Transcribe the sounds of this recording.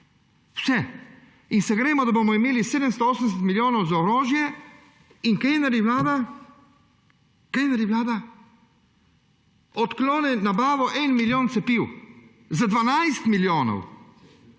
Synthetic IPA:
wsɛ | insɛɡɾɛːmɔd̪aboːmɔimeːliseːd̪əmst̪ɔoːsənd̪ɛs̬ɛt̪miljoːnɔwzaɔɾoːʒjɛ | inkenaɾjiʋlaːd̪a | kejnaɾjiʋlaːd̪a | ɔt̪kloːnɛnabaːʋɔʔɛnmiljoːnt̪sɛpiw | zad̪ʋanajst̪miljoːnɔ̰w

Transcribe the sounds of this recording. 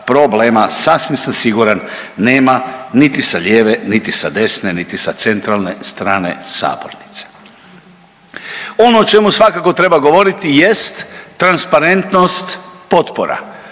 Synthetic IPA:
pɾobleːmasasʋimsamsiɡuɾanː | eːmanit̪isaʎeːʋenit̪isad̪e̞snenit̪isat̪se̞nt̪ɾalˠne̞st̪ɾaːnḛsa̰ːbo̰ɾnit̪se̥ | o̞noːt͡ʃe̞musʋakako̞t̪ɾe̞baɡo̞ʋo̞ɾit̪ijest̪ːɾanspaɾe̞nt̪no̞st̪po̞t̪poɾa̰

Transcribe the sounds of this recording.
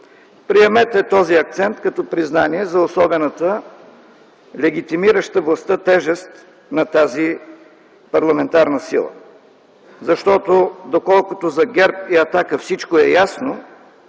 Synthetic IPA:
pɾiɛmɛt̪ɛt̪ɔziɐk̚t̪sɛnt̪kɐt̪ɔpɾiznaniɛzɐosɔbɛnət̪ə | lɛɡit̪imiɾəʃt̪əvlˠɐst̪ət̪ɛʒɛst̪ | nɐt̪azi | pɐɾlˠɐmɛnt̪aɾnəsḭlˠə̰ | zɐʃt̪ɔt̪od̪okɔlˠkʊt̪ozɐɡɛɾpiɐt̪akəfsit͡ʃkoɛjasno

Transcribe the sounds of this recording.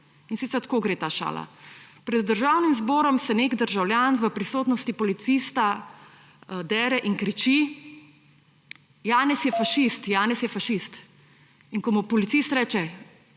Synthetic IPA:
insit̪sɛɾt̪koːɡɾeːt̪aːʃa̰ːla̰pɾɛd̪ːəɾʒaːwnimzbɔːɾɔmsɛnekd̪əɾʒawljaːnʋəpɾisoːt̪nɔst̪ipɔlit̪siːst̪a | d̪ɛːɾɛʔiŋkɾit͡ʃi | jaːnɛsjɛfaʃist̪jaːnɛsjɛfaʃist̪ | iŋkɔmupɔlit̪sist̪ɾɛːt͡ʃɛ

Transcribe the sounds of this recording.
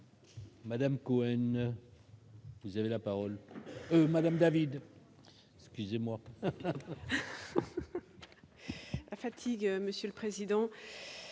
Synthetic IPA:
mad̪amkoɛn | vuzavelapaʁɔlømad̪amd̪avid̪ | ɛkskʲyzemwa | lafat̪ʰiɡøməsjølpχezid̪ɑ̃

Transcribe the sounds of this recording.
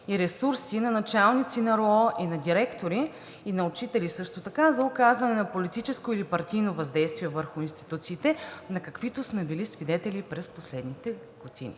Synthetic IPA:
iɾɛsuɾsinɐnɐt͡ʃalˠnit̪sinɐɾɔʔinɐd̪iɾɛkt̪oɾiː | nɐʊt͡ʃit̪ɛlisɤʃt̪ot̪ɐkazɐʊkazvɐnɛnɐpolit̪it͡ʃɛskoilipɐɾt̪ijnovɐzd̪ɛjst̪viɛvəɾxʊinst̪i̥t̪ut̪siːt̪ɛnɐkɐkvit̪osmɛbilisvid̪ɛt̪ɛlipɾɛsposlɛd̪nit̪ɛ | ɡ̥od̪ḭnḭ

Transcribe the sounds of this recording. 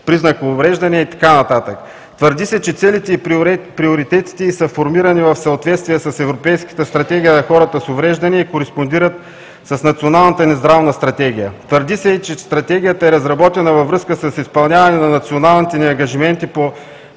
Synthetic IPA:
pɾiznɐkːvɾɛʒd̪ɐniɛit̪ɐ̥kanɐt̪at̪ək | t̪vəɾd̪isɛt͡ʃɛt̪sɛlit̪ɛipɾioɾit̪ɛt̪i̥t̪ɛisəfoɾmiɾɐnivɐfsɐot̪vɛt̪st̪vijɛsɐsɛvɾopɛjskə̥t̪əst̪ɾɐt̪ɛɡʲijənɐxɔɾət̪əsovɾɛʒd̪ɐniɛikoɾɛspond̪iɾət̪ | sɐsnɐt̪sionalˠnɐt̪ənɛzd̪ɾavnəst̪ɾɐt̪ɛɡ̟ʲijət̪vəɾd̪isɛit͡ʃɛst̪ɾɐt̪ɛɡʲijət̪əɛɾɐzɾɐbɔt̪ɛnəvɐvɾɤskəsəsispɐlˠnʲavɐnɛnɐnɐt̪sionalˠnit̪ɛniɐŋɡɐʒimɛnt̪ipo

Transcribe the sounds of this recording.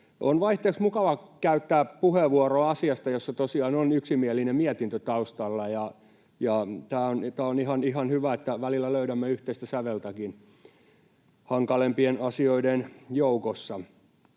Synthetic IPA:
onʋɑiht̪eːksmukɑʋɑkæyt̪ːæːpuheʋʋuoroɑsiɑst̪ɑjosːɑt̪osiɑːnonyksimiælːinemmiæt̪int̪øt̪ɑust̪ɑlːɑjɑ | jɑt̪æːont̪æːonihɑnihɑnhyʋæet̪ːæʋælilːˑæløyɾæmːeyht̪eist̪æsæʋelt̪ækin | hɑŋkɑlempienɑsioidenjoukosːɑ

